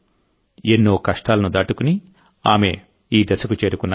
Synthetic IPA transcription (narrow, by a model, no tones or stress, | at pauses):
enːuːkɐʂʈaːlɐnud̪aːʈukuni | aːme̞ | iːd̪ɐsɐkut͡ʃe̞ːɾukunːa